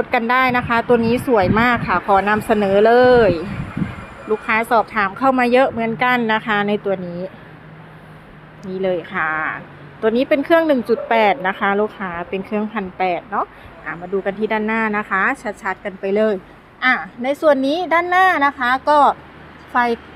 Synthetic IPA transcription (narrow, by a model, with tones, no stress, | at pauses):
pʰo˦t̪̚ka˧ndaː˥˩jna˦˥kʰa˦˥t̪u˧ɐniː˦˥su˩əjmaː˥˩kʰːa˧˩kʰɔː˨˩˦na˧msa˧nɤː˩˦lɤː˧j | luː˥˩kʰːaː˦˥sɔː˨˩p̚t̪ʰaː˨˦mkʰa˥˩wmaː˧jɤ˦˥ʔmɯ˨˦ənka˧nːa˦˥kʰa˦˥na˧˩jt̪u˧ɐniː˦˥ | niː˧˥˩lɤː˧jkʰa˧˩ | t̪u˧ɐniː˦˥pe˧nkʰɯ˥˩əŋnɯ˨˩ŋt͡ɕu˨˩t̪̚pɛː˨˩t̪̚na˦˥kʰa˦˥luː˥˩k̚ʰaː˦˧˥pe˧nkʰɯ˥˩əŋpʰa˧npɛː˨˩t̪̚nɔ˦˥ | ʔa̰ː˧˩maː˧duː˧ka˧nt̪ʰiː˥˩daː˥˩nːaː˥˩na˦˥kʰa˦˥t͡ɕʰa˦t̪̚t͡ɕʰa˦˥t̪̚ka˧npa˧jlɤː˧˩j | ʔaː˧˩na˧˩jsu˨˩ənːiː˦˥daː˥˩˨nːaː˥˩na˦˥kʰa˦˥kɔː˥˩ | fa˧˩j